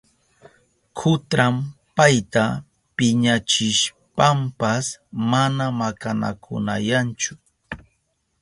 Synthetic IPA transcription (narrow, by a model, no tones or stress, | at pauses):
kʰʊt̪ɾampajt̪a | pɪɲat͡ʃɪʃ | pampasmanamakana̰kʰʊ̰na̰jant͡ʃʊ